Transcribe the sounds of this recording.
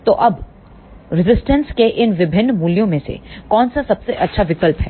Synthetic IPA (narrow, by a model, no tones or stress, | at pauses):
t̪oːʔɐb | ɾɪzɪsʈənskeʔɪnʋɪbʱɪnːmuːljõmẽsḛkɔːnsasɐbseʔɐtːʃʰaʋɪkəlpɦɛ̰ː